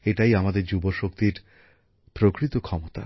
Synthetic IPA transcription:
eʈajamad̪eɾd͡ʑuboʃok̚t̪iɾ | pɾokɾit̪okʰɔmot̪a̰

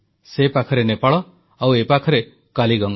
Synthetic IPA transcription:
sepakʰɔɾenepaɭɔ | awepakʰɔɾe | kaliɡɔŋ

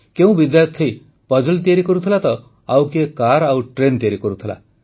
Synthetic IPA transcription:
keũbid̪jaɾt̪ʰːej | pɔd͡ʒɔlt̪iaɾikɔɾut̪ʰilat̪ɔ | awkekaɾawʈɾent̪iaɾikɔɾut̪ʰila̰

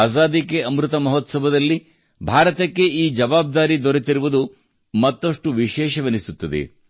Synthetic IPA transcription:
aːzaːd̪ikːeɐmɾut̪ɐmɐɦɔt̪sɐbɐd̪ɐlːi | bʱaːɾɐt̪ɐkːe̞iːd͡ʒɐʋaːb̚d̪aːɾid̪oɾet̪iɾuʋud̪u | mɐt̪ːɐʂʈuʋiʃɛːʃɐʋenisut̪ːɐd̪ḛ

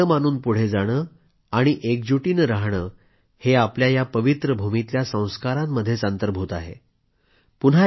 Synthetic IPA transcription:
əmanuːnpuɽ̤ed͡zaɽ̃əː | aɽ̃iʔek̚d͡ʑuʈiːnɾaɦɽəː | heapljajapəʋit̪ɾəbʱumit̪ljasə̃w̃skaɾamːəd̪ʱːjet͡sənt̪əɾbʱut̪aɦḛ | pun̤a

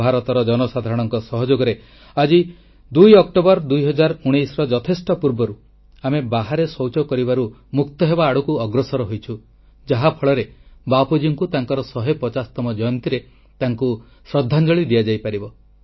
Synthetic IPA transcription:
aɾɔt̪ɔɾɔd͡ʒɔnɔsad̪ʱaɾɔɽ̃ɔŋkɔsɔɦɔd͡ʒoɡɔɾe | ad͡ʒi | d̪ujɔkʈɔbɔɾd̪ujɦɔd͡ʒaɾuɽ̃ejsɾɔd͡ʒɔt̪ʰesʈɔpuɾbɔɾu | amebaɦaɾesɔwt͡ʃɔkɔɾibaɾumukt̪ɔɦebaːɽukuɔɡɾɔsɔɾɔɦojt͡ʃʰu | d͡ʒaɦapʰɔɭɔɾebapud͡ʒiŋkut̪aŋkɔɾɔsɔɦepɔt͡ʃasɔ̥t̪ɔmɔd͡ʒɔjɔnt̪iɾe | t̪aŋku | sɾɔd̪ʱːand͡ʒɔɭid̪iad͡ʒajpaɾibɔ

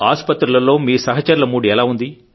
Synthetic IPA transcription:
aːspɐt̪ɾulɐlo̞ːmiːsɐɦɐt͡ʃɐɾlɐmuːɽiɛlaːund̪i

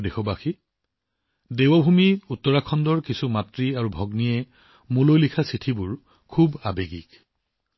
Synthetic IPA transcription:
dexʰɔbaxi | dewɔbʱumiutːɔɹakʰɔndɔɹkisumatɹiaɹubʱɔɡnijɛ | mulojlikʰasitʰibʊɹ | kʰubabeɡḭk

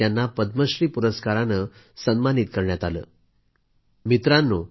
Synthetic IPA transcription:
janːapəd̪̚məɕɾiːpuɾəskaɾanə | sənmanit̪kəɾɳjat̪alə̰ː | mit̪ɾãnːo

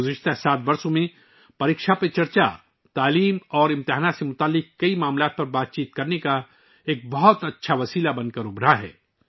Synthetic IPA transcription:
ʊzɪʃt̪ʰasaːt̪̚bɐɾsõmẽ | pɐɾɪkʃapet͡ʃɐɾt͡ʃa̰ | t̪aːliːmɔːɾɪ̃mt̪ɪɦaːnat̪semʊt̪aːlːɪkkːɐimaːmlaːt̪̚pɐɾbaːt̪̚t͡ʃiːt̪kɐɾneka | eːk̚bɐɦʊt̪ɐtːʃʰaʋɐsiːlabɐ̃nd̪̚kɐɾʊbɾaɦɛ̰ː

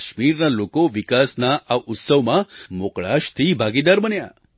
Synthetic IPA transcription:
ʃmiɾnalokoʋikasnaʔaʔut̪səʋmãmokɭa̰ʃt̪ʰibʱaɡid̪aɾbənja̰

